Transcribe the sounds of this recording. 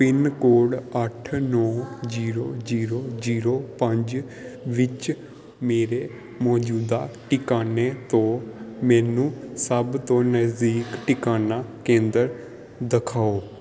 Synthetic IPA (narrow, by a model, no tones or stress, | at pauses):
pɪnkoːɽəʈʰnɔːd͡ʒiːɾoːd͡ʒiːɾoːziːɾoːpəɲd͡ʒ | ʋɪt͡ʃ | meːɾeː | mɔːd͡ʒuːd̪aːʈɪkaːneːt̪õːmɛ̃ːnũːsəbt̪õːnəzd̪iːkʈɪkaːnaːkẽːnd̪əɾ | d̪əkʰaːoː